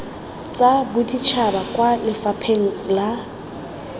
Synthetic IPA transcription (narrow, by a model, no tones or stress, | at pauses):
t͡sʼabʊdit͡ʃʰabakʼwalɪfapʰeŋ̩la